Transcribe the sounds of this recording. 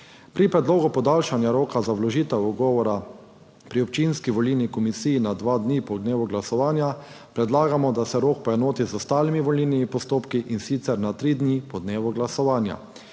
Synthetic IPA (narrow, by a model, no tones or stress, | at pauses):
pɾipɾɛd̪loːɡupɔd̪alʃanjaɾoːkazawlɔʒiːt̪ɛwɔɡɔːʋɔɾa | pɾiɔpt͡ʃinskiʋɔlinikɔmisiːjːnad̪ʋad̪nipɔd̪neːʋɔɡlasɔʋaːnja | pɾɛd̪laːɡamɔd̪asɛɾoːk̚pɔjɛnoːt̪izɔst̪aːlimiʋɔlilnimipɔst̪oːpkiʔinsit̪sɛɾnat̪ɾid̪nipɔd̪neːʋɔɡlasɔʋaːnja̰